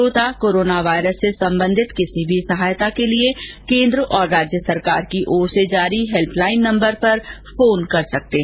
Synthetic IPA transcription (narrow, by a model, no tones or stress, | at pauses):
oːt̪akoːɾoːnaʋaːɪɾəsːesɐ̃mbə̃nd̪ʱɪt̪kɪsibʱisɐɦaːjt̪akelie | kẽːnd̪ɾəʔɔːɾːaːd͡ʒjəsɐɾkaːɾkiʔɔːɾsed͡ʒaːɾiɦɛlpʰlaːɪnːɐ̃mbəɾpɐɾfoːnkɐɾsɐk̚t̪eː